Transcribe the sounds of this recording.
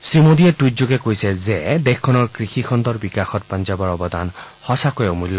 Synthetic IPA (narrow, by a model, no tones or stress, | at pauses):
sɹimod̪ietujtzoɡɛkojsɛzed̪exkʰːɔnɔɹkɹixixʰɔnd̪ɔɹbikaxɔt̚pɔnd͡ʒabɔɹɔbɔd̪a̰n | hɔsakojɛmuljɔ